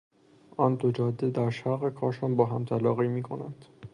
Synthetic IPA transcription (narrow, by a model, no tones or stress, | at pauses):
ʔɒːnd̪od͡ʒɒːd̪ːed̪æɾʃæɾɣe̞kʰɒːɾʃɒːnbɒːɦæmt̪ʰælɒːɣiːmiːkʰo̞̰nænd̪̥